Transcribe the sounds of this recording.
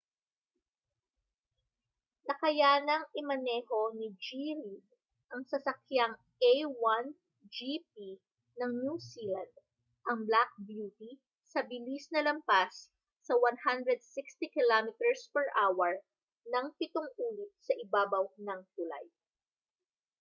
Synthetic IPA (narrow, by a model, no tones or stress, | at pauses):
nɐkɐjaːnɐŋʔɪmɐnɛːho̞nid͡ʒiɾi | ʔɐŋsɐsɐkjaŋ | ʔejwan | d͡ʒip̚i | nɐŋnjusilãnd̪̚ | ʔɐŋblak̚bjuːt̪i | sɐbɪlisnɐlɐmpasː | ɐwanhand̪ɹɛd̪̚sɪkst̪ikɪlamɪt̪ɛɹspɛɹʔaːwɛɹ | nɐŋpɪt̪oŋʔuːlɪt̪̚sɐʔɪbaːbɐwnɐŋt̪ʊla̰j